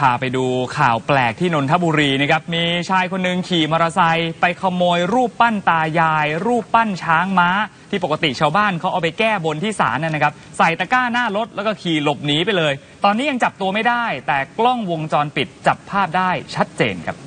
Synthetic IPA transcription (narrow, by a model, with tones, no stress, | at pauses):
pʰaː˨˩pa˧jduː˧kʰaː˨˩wplɛː˨˩k̚t̪ʰiː˥˩no˧nt̪ʰa˦˥buː˧ɾiː˧na˦˥˩kʰa˦˥p̚miː˧t͡ɕʰaː˧jkʰo˧nːɯ˨˩ŋkʰiː˨˩mɔ˧ɾaː˧sa˧jpa˧jkʰa˧moː˧jɾuː˥˩pːa˥˩nt̪aː˧jaː˧jɾuː˥˩pːa˥˩nt͡ɕʰaː˦˥ŋmaː˦˥t̪ʰiː˥˩po˨˩ka˧t̪i˨˩t͡ɕʰaː˧wbaː˥˩nkʰa˦˥wʔa˨˧wp̬a˧jkɛː˥˩bo˧nt̪ʰiː˥˩sa̰ː˩˦nːʔa˧na˦˥kʰa˦˥p̚sa˨˩jt̪a˧˩kaː˥˩naː˥˩ɾo˦˥t̪̚lɛ˦˥kɔː˥˩kʰiː˨˩lo˨˩p̚niː˨˦pa˧jlɤː˧j | t̪ɔː˧nːiː˦˥ja˧ŋt͡ɕa˨˩p̚t̪u˧əma˥˩jdaː˥˩jt̪ɛː˨˩klɔ˥˩ŋwo˧ŋt͡ɕɔː˧npi˨˩t̪̚t͡ɕa˨˩pʰːaː˥˩p̚daː˥˩jt͡ɕʰa˦˥t̪̚t͡ɕḛː˧nkʰa˦˥p̚